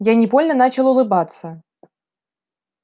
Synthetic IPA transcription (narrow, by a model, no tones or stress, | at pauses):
janʲɪvolʲnənat͡ɕɪlˠʊlˠɨbat̪sə